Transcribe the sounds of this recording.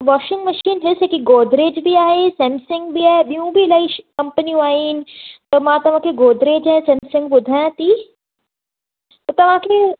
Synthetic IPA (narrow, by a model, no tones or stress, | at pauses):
ʋɔːʃɪ̃ŋɡmɐʃiːnɦɪsekiɡoːd̪ɾeːd͡ʒbʱiaːɦesɛ̃msɪ̃ŋɡbʱiaːɦeɓijũbʱilaiʃkɐ̃mpənijũaːɦinɪ̆t̪ɐmãːt̪ɐʋ̤ãːkʰeɡoːd̪ɾeːd͡ʒɛsɛ̃ːmsɪ̃ŋɡ̚ɓʊd̪ʱaːjãt̪iː | t̪ɐt̪ɐʋ̤ãkʰe